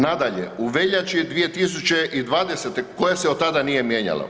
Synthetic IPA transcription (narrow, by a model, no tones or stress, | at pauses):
nad̪aʎḛuʋeʎat͡ʃid̪ʋije̞t̪is̬ut͡ɕeʔid̪ʋaːd̪eset̪ekojaseot̪ːad̪anije̞mjeɲa̰la̰